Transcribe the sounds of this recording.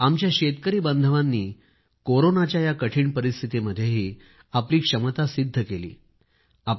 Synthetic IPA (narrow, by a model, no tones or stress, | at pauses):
amt͡ɕjaɕet̪̚kəɾiːbənd̪ʱəʋanːiː | koɾonat͡ɕjajakəʈʰiːɳpəɾist̪ʰit̪iməd̪ʱːjeɦiː | apliːkʂəmət̪asid̪ʱːəkelḭː | a